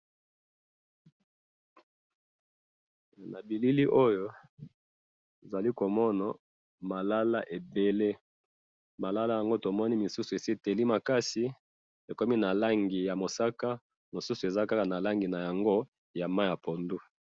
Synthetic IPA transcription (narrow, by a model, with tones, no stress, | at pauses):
na˨bi˨li˦li˦ʔo˦jo˦ | e˨za˨li˦ko˨mɔ˦na˨ | ma˨la˦la˦ʔe˨be˨le˦ | ma˨la˦la˦ja˨ŋɡo˦to˨mɔ˦ni˦mi˨su˦su˨e˨si˦˨te˨li˦ma˨ka˦si˨ | e˨kɔ˦mi˦na˨la˦ŋɡi˨ja˨mo˨sa˦ka˦ | mo˨su˦su˨e˨za˦ka˦ka˨na˨la˦ŋɡi˨na˨ja˨ŋɡo˦ | ja˨ma˦ja˨pʰo˨ndu˦